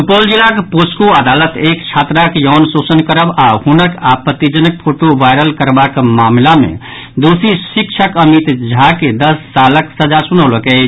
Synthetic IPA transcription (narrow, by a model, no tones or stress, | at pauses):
supold͡ʒilakposkoəd̪alət̪ekt͡ʃʰat̪ɾakjawnsosənkəɾəbahunəkapət̪ːid͡ʒənək̚pʰoʈoʋajɾəlkəɾbakmamlamḛ | d̪osisikt͡ʃʰəkəmit̪d͡ʒʱaked̪əsːaləksəd͡ʒasunələkɛt͡ʃʰ